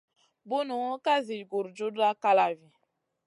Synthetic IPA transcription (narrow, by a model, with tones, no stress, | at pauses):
bu˦nu˨ŋo˦ka˦zi˨ɡo˨ɾd͡ʒo˦da˦ka˦la˨vi˨